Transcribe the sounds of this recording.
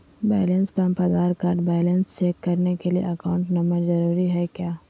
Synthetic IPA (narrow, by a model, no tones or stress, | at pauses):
bɛːlənspəmpɐd̪aːɾkaːɾɖbɛːlənst͡ʃeːkːɐɾnekeliḛʔɐkaːʊ̃ɳʈnɐməɾzɐɾuːɾiɦɛkjaː